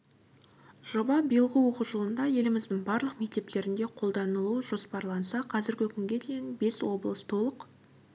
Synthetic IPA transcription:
ʒ̥o̞bɑbijəlˠʁəwo̞quʒəlˠənd̪ɑje̞lɪmɪzd̪ɪŋbɑɾlˠəqme̞k̚t̪e̞p̚t̪e̞ɾɪnd̪e̞qʰo̞lˠd̪ɑnəlˠuʒ̥o̞spɑɾlˠɑnsɑqʰɑzɪɾɡʲɪkʲʰʏŋɡʲe̞d̪e̞jɪnbe̞swo̞blˠəst̪ʰo̞lˠəq

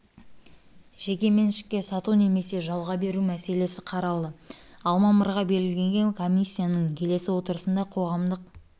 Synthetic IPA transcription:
ʒ̥e̞kʲe̞me̞nʃɪ̥kʲːe̞sɑt̪une̞me̞se̞ʒɑlˠʁɑbe̞ɾumæse̞le̞sɪqʰɑɾɑlˠəɑlˠmɑməɾʁɑbe̞lɡʲɪlɡʲe̞ŋɡʲe̞ŋkʰo̞mʲisʲːijanəɴkʲʰe̞le̞sɪwo̞t̪əɾəsənd̪ɑqʰo̞ʁɑmd̪əq̚

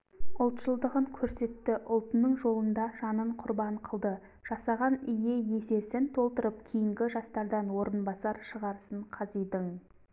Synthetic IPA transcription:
ʊlˠt̪ʃəlˠd̪əʁəŋkʲʰɵɾse̞t̪ːɪʔʊlˠt̪ənəɴʒo̞lˠənd̪ɑʒɑnəɴqʰʊɾbɑɴqʰəlˠd̪ə | ʒ̥ɑsɑʁɑnʏje̞je̞se̞sɪnt̪ʰo̞lˠt̪əɾəp̚kʲʰijɪŋɡʲɪʒɑst̪ɑɾd̪ɑnwo̞ɾənbɑsɑɾʃəʁɑɾəsəɴqʰɑzijd̪əŋ

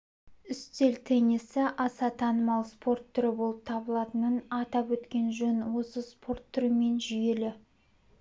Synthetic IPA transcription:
ʏst̪e̞lt̪ʰenisɪʔɑsɑt̪ʰɑnəmɑlˠspʰo̞rt̪ʰːʏɾɪbo̞lˠəp̚t̪ʰɑbəlˠɑt̪ənənɑt̪ɑpwɵt̪kʲe̞nʒɵnwo̞səspʰo̞rt̪ʰːʏɾɪme̞nʒʏje̞lɪ

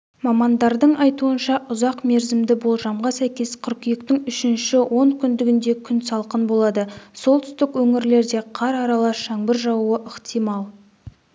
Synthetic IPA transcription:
mɑmɑnd̪ɑɾd̪əɴɑjt̪uənʃɑʔʊzɑqme̞ɾzɪmd̪ɪbo̞lˠʒɑmʁɑsæjkʲe̞sqʰʏɾkʲijɪk̚t̪ɪŋʏʃɪnʃɪwʔo̞ŋkʲʰʏnd̪ɪɡʲɪnd̪e̞kʲʰʏnsɑlˠqənbo̞lˠɑd̪əso̞lˠt̪ʰʏ̥st̪ɪkwɵŋɪɾle̞ɾd̪e̞qʰɑɾɑɾɑlˠɑsʃɑŋbɪɾʒɑwuəʔəqt̪ijmɑlˠ

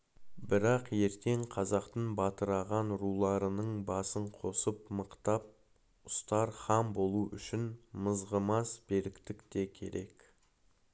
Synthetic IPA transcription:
bɪɾɑqje̞ɾt̪e̞ɴqʰɑzɑqt̪əɴbɑt̪əɾɑʁɑnɾulˠɑɾənəɴbɑsəɴqʰo̞səpməqt̪ɑp̚ | ʊst̪ɑɾχɑmbo̞lˠuʔʏʃɪnməzʁəmɑsbe̞ɾɪkt̪ɪkt̪e̞kʲʰe̞̰ɾe̞k

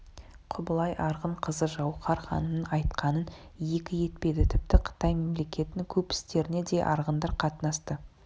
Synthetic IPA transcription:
qʰʊbəlˠɑjʔɑɾʁəɴqʰəzəʒɑwqɑɾχɑ̰nənənɑjt̪qɑnənje̞kʲɪje̞t̪̚pe̞jd̪ɪt̪ʰɪp̚t̪ɪqʰə̥t̪ɑjme̞mle̞kʲʰe̞t̪ɪŋkʲʰɵpɪ̥st̪e̞ɾɪne̞d̪e̞ʔɑ̰ɾʁənd̪ɑɾqʰɑt̪nɑst̪ə

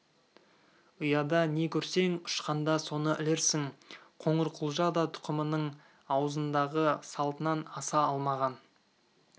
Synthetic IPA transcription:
ʊjɑd̪ɑne̞kʲʰɵɾse̞ŋʊ̥ʃqɑnd̪ɑso̞nəʔɪleɾsɪŋqʰo̞ɴəɾqʰʊlˠʒɑd̪ɑt̪ʰʊ̥qəmənəɴ | ɑwəzənd̪ɑʁəsɑlˠt̪ənɑnɑsɑɑlˠmɑʁɑn

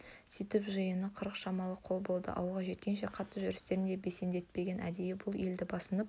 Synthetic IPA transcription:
sijt̪ɪpʒəjənəqʰəɾəqʃɑmɑlˠəqʰo̞lˠbo̞lˠd̪ə̰ʔɑ̰wəlˠʁɑʒe̞t̪kʲe̞nʃ̬e̞qʰɑt̪ːəʒʏɾɪst̪e̞ɾɪnd̪ebe̞se̞nd̪e̞t̪̚pe̞ɡʲe̞nʔæ̰d̪e̞jɪbʊlˠe̞ld̪ɪbɑsənəp̚

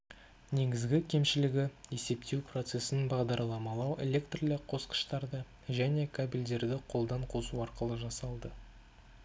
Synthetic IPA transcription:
ne̞ɡʲɪzɡʲɪkʲʰe̞mʃɪlɪɡʲɪje̞se̞p̚t̪ʰewpro̞t̪se̞sɪnbɑʁd̪ɑɾlˠɑmɑlˠɑwelʲe̞kt̪rilɪkqʰo̞sqə̥ʃt̪ɑɾd̪ə | ʒæne̞kʰabʲild̪e̞ɾd̪ɪqʰo̞lˠd̪ɑɴqʰo̞suɑɾqəlˠəʒɑsɑlˠd̪ə

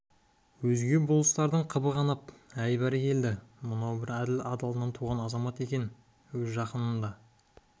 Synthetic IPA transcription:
wɵzɡʲe̞bʊlˠəst̪ɑɾd̪əɴqʰəbəʁɑnɑpæjbæɾɪkʲʰe̞ld̪ɪmʊnɑwbɪɾæd̪ɪlɑd̪ɑlˠnɑnt̪ʰuʁɑnɑzɑmɑt̪e̞kʲe̞n | wɵzʒɑqənənd̪ɑ

